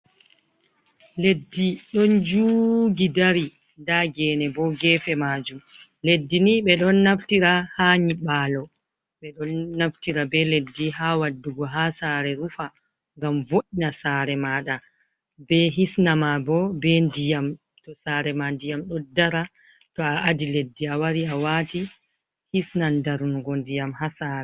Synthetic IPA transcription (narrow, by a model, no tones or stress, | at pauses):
ledːiɗɔnd͡ʒuːɡidaɾi | ndaɡɛːnɛbɔɡɛːfɛmaːd͡ʒum | ledːiniɓɛɗɔnːaftiɾahaɲiɓaːlɔ | ɓɛɗɔnːaftiɾabɛledːiɦawadːuɡɔɦasaːɾɛɾufa | ŋɡamvoʔinasaɾɛmaːɗa | bɛɦisnamabɔbɛndijam | tɔsaɾɛmandijamɗɔdaɾa | tɔaʔadiledːiawaɾiawaːti | hisnandaɾunɡɔndijamhasaːɾɛ